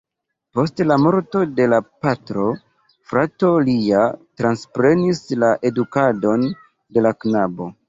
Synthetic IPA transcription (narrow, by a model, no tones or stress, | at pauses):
po̞stlamo̞ɾto̞de̞lapatɾo̞ | fɾato̞liatɾanspɾe̞nislaʔe̞dukado̞n | de̞laknabo̞